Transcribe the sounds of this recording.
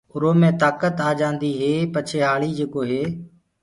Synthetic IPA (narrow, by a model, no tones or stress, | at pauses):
ʊɾoːmẽːt̪aːkət̪aːd͡ʒãːnd̪iːɦeːpət͡ʃʰeːɦaːɭiːd͡ʒeːkoːɦeː